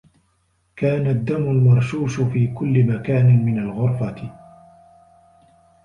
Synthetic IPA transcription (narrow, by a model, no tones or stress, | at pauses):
kaːnad̪ːamʊlmɑɾˤʃuːʃʊfiːkʊlːɪmakaːnɪmɪnalɣʊɾfat̪